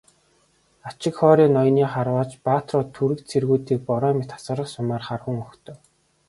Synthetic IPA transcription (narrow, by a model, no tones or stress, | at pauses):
at͡ɕɪ̆kχɔːɾʲiːnɔjniːχarwaːt͡ɕpaːt̪rɔːt̪ʰːuɾɘ̆k̪t͡sʰerɣuːt̪iːk̚pɔɾɔːmet̪χḁsə̆ɾə̆χsʊmaːrχarxŭŋɵxt̪ʰɵ̆w